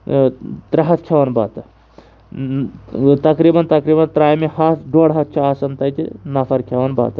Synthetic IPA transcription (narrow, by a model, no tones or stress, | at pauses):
t̪ɾɐɦɐt̪kʰɐʋɐnba̰ːt̪ɐ | t̪ɐkɾibɐnt̪ɐkɾiːbɐnt̪ɾaːjmehɐt̪ɖoːɽɦɐt̪̚ʰt͡ʃʰuaːsɐnt̪ɐjt̪inɐfʰɐɾkʲʰɐʋɐnba̰ːt̪ɐ